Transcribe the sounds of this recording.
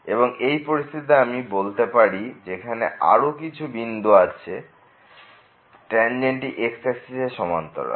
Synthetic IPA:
eboŋejpoɾist̪ʰiit̪̬aamibolt̪epaɾid͡ʑekʰanḛa̰ɾokit͡ɕʰubind̪uat͡ɕʰe | ʈɾɛnd͡ʑeɳʈiʔeksesiseʃɔmant̪ɔ̰ɾa̰

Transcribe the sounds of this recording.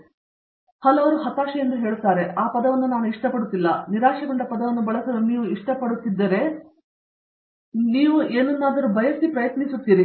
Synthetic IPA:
hɐlɐʋɐɾuɦɐt̪aːʂɐjɐnd̪uɦeːɭut̪ːaːɾeaːpɐd̪ɐʋɐnːunaːnuiʂʈɐpɐɽut̪ːilːɐniɾaːʂɐɡɐɳɖɐpɐd̪ɐʋɐnːubɐɭɐsɐɾuniːʋuiʂʈɐpɐɽut̪ːid̪ːɐɾe̞ | niːʋuʔeːnːɐnːaːd̪ɐɾubʱɐjɐsipɾɐjɐt̪nisut̪ːiːɾi

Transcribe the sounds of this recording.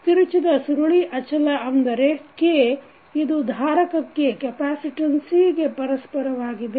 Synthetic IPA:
t̪iɾut͡ʃid̪ɐsuɾuɭiʔɐt͡ʃʰɐlɐʔɐnd̪ɐɾekːe | id̪ud̪ʱaːɾɐkɐkːekɛpaːsiʈɐnsiɡe̞pɐɾɐspɐɾɐʋaːɡid̪e

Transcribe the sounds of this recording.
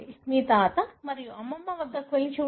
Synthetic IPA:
imiːt̪aːt̪ɐmɐɾijuɐmːɐmːɐʋɐd̪ʱːɐkʋɐlit͡ʃuː

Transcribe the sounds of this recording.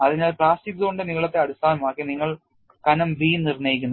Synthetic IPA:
ɐðiɲaːlpɭaːsʈik̪ɣoɳɖɨniɣɐɭɐt̪ːe̞ɐɽust̪aːnɐmaːkːiniŋːɐɭ | kɐnɐmbiːnirnɐjikʲːunː

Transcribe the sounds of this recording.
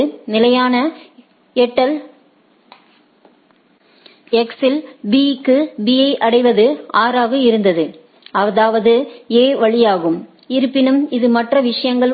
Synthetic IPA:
nɪlɐjaːnɐ | ɛʈːɐl | ɛksɪlbiːkːɯbiɐɪʔɐɽɐɪʋɐðɯaːɾaːɣɯɪɾɯnd̪ɐðɯ | ɐðaːʋɐðɯeːʋɐɭɪjaːɣɯm | ɪɾɯpːɪnɯmɪðɯmɐʈrɐʋɪʂɐjɐŋɡɐɭ

